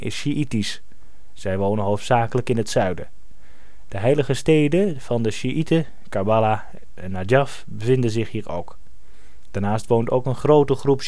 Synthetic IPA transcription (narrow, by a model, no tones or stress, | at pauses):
ɪ̰sʃiʔitis | z̥ɛjʋownənɦowftsaːkələkɪnətsœɥdə | d̥əɦɛjləɣəstejdəv̥ɑndəʃiʔitə | kabala | ɛnadjaf | bəvɪndənzɪχhiːro̰wk | d̥aːɹnaːstʋowntowkənχrowtəχrup